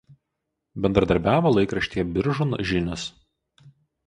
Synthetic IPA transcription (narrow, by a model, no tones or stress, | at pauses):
bʲɛnd̪ɾɐd̪ɐɾʲbʲæːʋolˠɐɪkɾɐʃʲt̪ʲiːɛbʲɪɾʒʊnʒʲɪnʲʊs